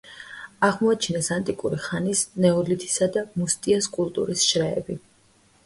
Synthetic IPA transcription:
aʁmɔat͡ʃʰnɛsant̪ʼikʼuɾiχanisnɛɔlit̪ʰi̥sad̪amust̪ʼiaskʼulˠt̪ʼṵɾisʃɾɛɛ̰bi

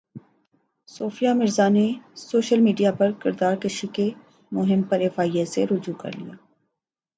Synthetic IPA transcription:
soːfijamɪɾzanesoːʃəlmiːɖijapɐɾkɪɾd̪aːɾkɐʃike | mʊɦɪmpɐɾɛfaːieseɾʊd͡ʒuːkɐ̰ɾlḭjaː

